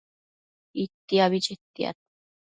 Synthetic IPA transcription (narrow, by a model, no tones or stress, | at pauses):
it̪ːiaβit͡ʃet̪ːia̰t̪